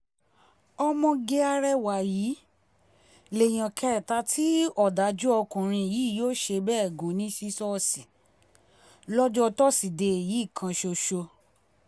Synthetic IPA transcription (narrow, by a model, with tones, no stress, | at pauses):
ɔ˧mɔ̃˧ɡe˧a˧ɾɛ˧wa˨jiː˨˦ | le˨j̃ã˨kʰɛ˧˨ta˧tʰi˦ɔ˦˨da˨˦d͡ʒu˦ɔ˧kũ˨ɾ̃ĩ˧˨jiː˨˦˨joː˦ʃe˧bɛː˦˨ɡũ˨˦nĩ˦ʃi˦sɔ˦˧si˨ | lɔ˦d͡ʒɔ˦˧tɔ˦si˨de˧e˨ji˨˦˨kʰã˧ʃo˧ʃo˧